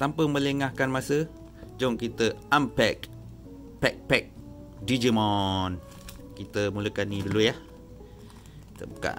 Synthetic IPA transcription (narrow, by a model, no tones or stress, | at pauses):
t̪ampəmə̃ləŋahkanmasə | d͡ʒɔŋkit̪əampɛk | pɛk̚pɛk̚ | did͡ʒimɔn | kit̪əmuləkanidulujah | t̪ə̰buka̰ʔ